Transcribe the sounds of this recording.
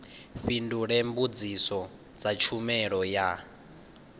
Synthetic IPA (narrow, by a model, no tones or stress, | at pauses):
ɸinduɺɛmbud͡zisɔ | d͡zat͡ʃʰumɛɺɔja